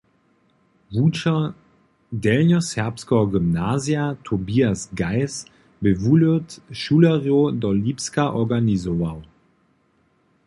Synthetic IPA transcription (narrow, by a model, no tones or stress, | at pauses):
vut͡ʃɐ | dɛlnɔsɛɐpskɔɔɡymnaːziatʰobiasɡaɪs | bəvuløtʃuːlɛʁjodɔlipskaʔɔɡanizɔvaw